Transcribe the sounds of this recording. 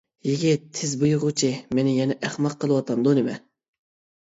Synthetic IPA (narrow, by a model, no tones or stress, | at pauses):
jiɡʲɪt̪ʰːɪzbujʊʁʊt͡ʃʰimenɪjɛnɛʔæχmɑqʰːəlˠɨwɑt̪ʰɑmd̪unɪmɛ